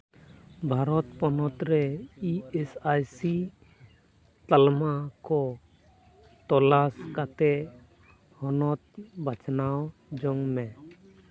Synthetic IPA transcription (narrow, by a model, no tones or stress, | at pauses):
bʱaɾɔt̪̚pɔnɔt̪ɾɛiɛsajsi | t̪almakɔ | t̪ɔlaskat̪ɛʔ | hɔnɔt̪̚bat͡ʃnawd͡ʒɔŋmɛ